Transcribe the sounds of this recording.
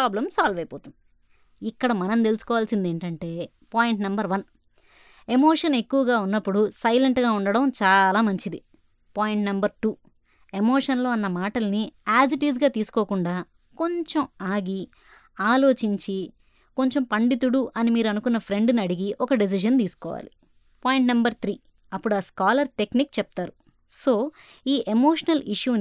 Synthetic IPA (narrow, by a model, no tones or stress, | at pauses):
aːblɐmsaːlʋɐjpoːt̪und̪i | ikːɐɽɐmɐnɐnt̪e̞lusu̥kɔːʋaːlsind̪e̞ːɳʈɐɳʈe̞ː | paːjiɳʈnɐmbɐɾʋɐn | e̞moːʂɐne̞kːuʋɐɡaːunːɐpːuɽusɐjleɳʈɡaːuɳɖɐɽɐmt͡ʃaːlaːmɐɲt͡ʃid̪i | paːjiɳʈnɐmbɐɾʈuː | e̞moːʂɐnlo̞ːɐnːɐmaːʈɐlɐniaːs̬iʈiːsɡaːt̪iːsu̥koːkuɳɖaː | ko̞ɲt͡ʃemaːɡi | aːlo̞ːt͡ʃiɲt͡ʃi | ko̞ɲt͡ʃempɐɳɖit̪̬uɽuʔɐnimiːɾuɐnukunːɐpʰɾe̞ɳɖniɐɽiɡiʔɔkɐɖis̬iʃɐnt̪iːsu̥kɔ̰ːʋa̰ːli | paːjiɳʈnɐmbɐɾt̪ʰɾiː | ɐpːuɽuaːskaːlɐɾʈe̞knikt͡ʃɛp̚t̪aːɾu | so̞ː | iːʔemoːʂɐnɐliʂjuːn